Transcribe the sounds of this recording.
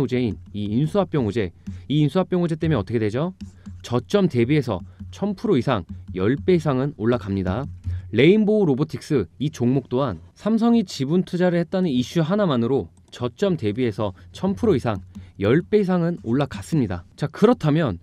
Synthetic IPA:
ud͡ʑe̞iniːnsʰuɦap͈̚jʌŋod͡ʑe̞iːnsʰuɦap͈jʌŋod͡ʑe̞t͈emjʌnʌt͈ʰʌkʰedwe̞d͡ʑot͡ɕʌt͡ɕ͈ʌmte̞bie̞sʰʌ̰t͡ɕʰʌmpʰɯɾoisʰaŋjʌɭp͈e̞isʰaŋɯnoɭːakamɲidale̞inbouɾobotʰik̚s͈ɯit͡ɕoŋmok̚t͈oɦansʰams̬ʰʌŋit͡ɕibuntʰud͡ʑaɾɯɭhe̞t̚t͈anɯniɕ͈uɦanamanɯɾo | t͡ɕʌt͡ɕ͈ʌmte̞bie̞sʰʌt͡ɕʰʌmpʰɯɾoisʰaŋjʌɭp͈e̞is̬ʰaŋɯnoɭːakas͈ɯmɲida̰t͡ɕakɯɾʌtʰamjʌn

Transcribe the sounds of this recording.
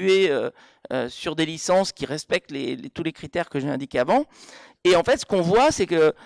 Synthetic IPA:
eø | ø̰syʁd̪elisɑ̃skʲiʁɛspɛk̚t̪lelt̪ulekχit̪ɛʁkəʒeɛ̃d̪ikʲeavɑ̃ | eɑ̃fɛt̪sə̥kɔ̃vwasɛkə

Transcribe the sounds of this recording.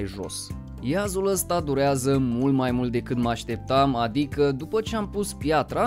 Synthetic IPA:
jʒo̰s | jazuləst̪ad̪uɾeazəmult̪majmult̪̚d̪e̞kɨt̪məaʃt̪e̞p̚t̪amad̪ikəd̪upət͡ʃe̞ampuspjat̪ɾa

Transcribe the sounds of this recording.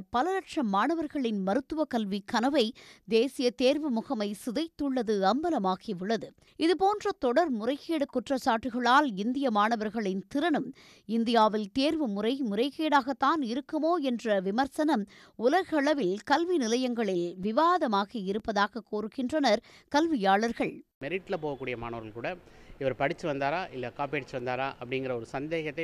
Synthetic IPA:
pːɐlɐlɐʈʂɐmːaːɳɐʋɐɾɣɐɭɪnmɐɾɯt̪ːɯʋɐkɐlʋikɐnɐʋɐɪd̪eːsɪjɐt̪eːɾʋɯmʊɣɐmɐɪsɪðɐɪt̪ːɯɭːɐðɯɐmbɐlɐmaːɣiʊɭːɐðɯ | ɪðɯpoːndrɐt̪ɔɽɐɾmʊrɐɪkːeːɽɯkːʊʈrɐsaːʈːɯɣɐɭaːlɪnd̪ɪjɐmaːɳɐʋɐɾɣɐɭɪnt̪ɪɾɐnɯm | ɪnd̪ɪjaːʋɪlt̪eːɾʋɯmʊrɐɪmʊɾɐɪkeːɽaːɣɐt̪ːaːnɪɾɯkːɯmoːɛndrɐʋɪmɐɾsɐnɐm | ʊlɐɣɐɭɐʋɪlkɐlʋinɪlɐjɐŋɡɐɭɪlʋɪʋaːðɐmaːɣɐɪɾɯpːɐðaːɣɐkːoːɾɯɣɪndrɐnɐɾ | kɐlʋɪjaːɭɐɾɣɐɭmɛɾɪʈːɪlɐpoːʋɐkːuːɽɪjɐmaːɳɐʋɐɾɣɐlkuːɽɐɪʋɐɾpɐɽɪt͡ʃːɯʋɐnd̪aːɾaːʔɪlːɐɐkːaːpeːɽɪt͡ʃːɯʋɐnd̪aːɾaːʔɐpːɐɽɪŋɡɪɾɐɔɾɯsɐnd̪eːɣɐt̪ːɐɪ

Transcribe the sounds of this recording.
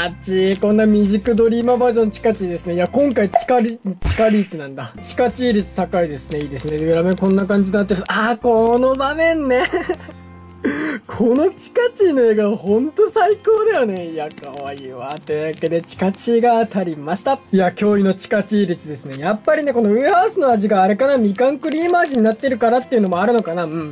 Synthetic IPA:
at͡ɕikõ̞nːamʲiʑikɯ̟d̪o̞ɾʲiːmabaːʑõ̞nt͡ɕi̥kat͡ɕiːd̪e̞sɨneijakõ̞ŋkait͡ɕi̥kaɾʲit͡ɕi̥kaɾʲiːt̪ːe̞nãnd̪at͡ɕi̥kat͡ɕiːɾʲit͡sɨ̥t̪akaid̪e̞sɨne̞iːd̪e̞sɨned̪ɯ̟ɾame̞kõ̞nːakãɲ̟d͡ʑinat̪ːeɾɯsakono̞bamẽ̞nːe̞ | kʰo̞no̞t͡ɕi̥kat͡ɕiːno̞eːɡaβahõ̞nt̪o̞saiko̞ːd̪ejone̞iakaβaiβat̪ejake̞d̪e̞t͡ɕi̥kat͡ɕiːɡaːt̪ʰaɾʲimaɕi̥t̪aiakʲo̞ːino̞t͡ɕi̥kat͡ɕiːɾʲit͡sɨd̪e̞sɨne̞japːaɾʲine̞ko̞noɯ̟haɯsɨnoaʑiɡaːɾe̞kanamʲikãŋkɯ̟ɾʲiːmaːʑiɲ̟inat̪ːe̞ɾɯ̟kaɾat̪ːe̞iɯ̟no̞mo̞aɾɯ̟no̞kanaɯ̟̃ɴ

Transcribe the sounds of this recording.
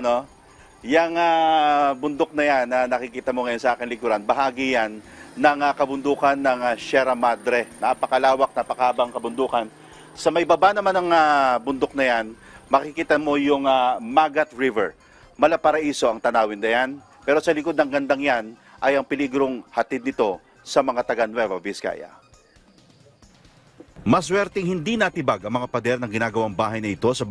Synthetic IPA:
no | jɐŋabʊnd̪ok̚nɐjanːɐnɐkɪkiːt̪ɐmo̞ŋɐjo̞nsɐʔaːkɪnlɪɡʊɾanbɐɦaːɡijanːɐŋakɐbʊnd̪uːkɐnːɐŋaʃɛɾɐmad̪ɾɛnapɐkɐlaːwɐk̚nɐpɐkaːbɐŋkɐbʊnd̪uːkɐn | sɐmɐʔɪbabanɐmanɐŋabʊnd̪ok̚nɐjanmɐkɪkiːt̪ɐmo̞jʊŋamaːɡɐt̪ɹivɛ̰ɹ | mɐlapɐɾɐʔiːso̞ɐŋt̪ɐnaːwɪnd̪ɐjan | pɛːɾo̞sɐlɪko̞d̪nɐŋɡɐnd̪aŋjan | ʔɐjɐŋpɪliɡɾo̞ŋhɐt̪id̪nɪt̪o̞ | sɐmɐŋat̪ɐɡanwɛvɐvɪska̰jɐ̰ | mɐswɛɾt̪ɛŋhɪnd̪inɐt̪ɪbaɡɐŋmɐŋapɐd̪ɛɾnɐŋɡɪnaːɡɐwaŋbaːɦɐjnɐɪt̪o̞sɐ

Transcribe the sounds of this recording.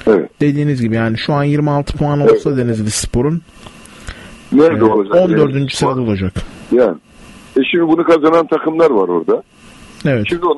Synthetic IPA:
evɛ̰t̪d̪̥e̞d̪iːnizɟibijaːniʃuanjiɾmialˠt̪ʰɯ̥pʰoanolˠsad̪e̞nizbispʰo̞ɾun | nɛɛolˠad͡ʒaond̪øɾd̪ynd͡ʒyseɾad̪o̞lˠad͡ʒakjæːnɪ | ɛʃimd̪ibunukʰazanant̪ʰakɯmlˠaɾvaɾo̞ɾd̪a | evɛt̪ʃimd̪ion

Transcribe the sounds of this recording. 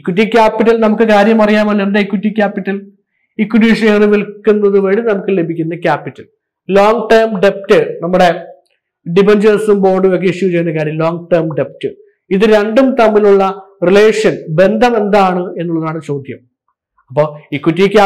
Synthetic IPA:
ikːut̬ːikʲːaːpːiʈːɐlnɐmukːɨkaːɾjɐmɐrɐjaːmɐlːendeikwutːikʲːaːpːiʈːɐl | ikːwuɖiːʂɐnaːɳɨʋilkːunːɐðɨʋɐɻinɐmukːɨle̞bʱikʲːunːɐkʲaːpːitːɐl | loːŋɡʈɐrmɖep̚tɨnɐmːuɽe̞ | ɖibend͡ʑɐsumbo̞ːɖɨʋek̬ːiʂikːut͡ɕejunːɐkaːɾjɐmlo̞ːŋɡʈɐrmɖe̞p̚tːɨ | iðɨɾe̞ɳɖumt̪ɐmːiluɭːɐrile̞ːʂɐnbe̞nd̪ʱɐme̞nd̪aːɳɨe̞nːuɭːɐðɨaːɳʈɨt͡ɕo̞ːd̪ʱjɐm | ɐpːoːikwutːikʲːa

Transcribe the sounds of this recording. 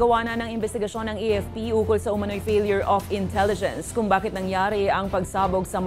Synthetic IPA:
ɡɐwaːnɐnɐŋɪnbɛst̪ɪɡɐʃo̞nːɐŋiɛfpiuːkʊlsɐʊmɐno̞jfejljʊɹʔofɪnt̪ʰɛlɪd͡ʒɛ̰̃nskʊŋbaːkɪt̪nɐŋjaːɾɪʔɐŋpɐɡsaːboɡsɐm

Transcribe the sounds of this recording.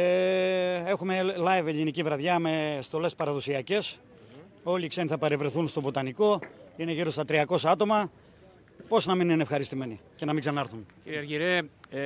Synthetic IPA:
e̞xume̞lɐjveʎinicivɾɐðʝɐme̞st̪o̞le̞spɐɾɐðo̞siɐce̞s | o̞liːkse̞niθɐpɐɾevɾeθunst̪o̞vo̞t̪ɐniko̞ine̞ʝiɾo̞st̪ɐt̪ɾiɐko̞sɐɐt̪o̞mɐ | po̞snɐmininefxɐɾist̪ime̞nice̞nɐmiɡsɐnɐɾθunciɾiɐɾʝiɾe

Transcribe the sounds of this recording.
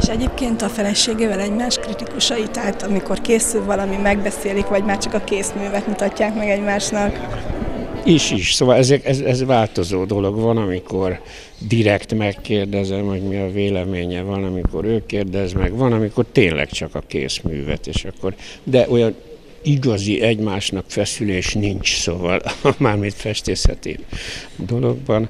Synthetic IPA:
eʃɛɟeːp̚keːnt̪ɒfɛlɛʃeːɡeːvɛlɛɟmaːʃkrit̪ikuʃɒjit̪aːlt̪ɒmiko̞rkeːsylvɒlɒmimɛɡbɛseːlikʋɒɟmaːrt͡ʃɒkɒkeːsmyːvɛt̪mut̪ɒcːaːkmɛɡɛɟmaːʃnɒk | iʃiʃsoːvɒlɛzeːɾt̪ɛzɛzvaːlt̪o̞zoːd̪o̞lo̞ɡvɒnɒmiko̞r | d̪iɾɛkt̪mɛkːeːrd̪ɛzɛmho̞ɟmiɒveːlɛmeːɲɛvɒnɒmiko̞ɾøːkeːrd̪ɛzmɛɡvɒnɒmiko̞rt̪eːnlʔɛ̰kt͡ʃɒkɒkḛːsmy̰ːvɛ̰t̪eːʃɒkːo̞rd̪ɛʔo̞jɒn | iɡɒziʔɛɟmaːʃnɒkfɛsyleːʃnint͡ʃsoːvɒ̰lmaːrmint̪fɛʃt̪eːshɛ̰t̪ḭd̪o̞lo̞ɡ̚bɒn

